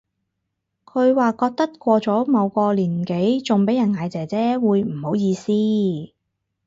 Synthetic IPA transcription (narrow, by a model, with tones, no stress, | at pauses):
kʰɵ˨˧ɥwaː˨kɔː˧k̚t̪ɐ˥t̚kʷɔː˧t͡sɔː˨˥mɐ˨˧wkɔː˧liː˨˩nke˨˥jt͡sʊ˨˩ŋpe˨˥jɐ˨˩nŋaː˨˧jt͡sɛː˨˩t͡sɛː˥wuː˨˧jm̩˨˩ho˨˥wjiː˧siː˥